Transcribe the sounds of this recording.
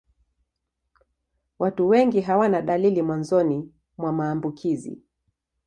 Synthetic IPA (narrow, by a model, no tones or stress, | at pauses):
watuwɛŋɡiɦawanaɗalilimwanzɔni | mwamaːmbukʰizḭ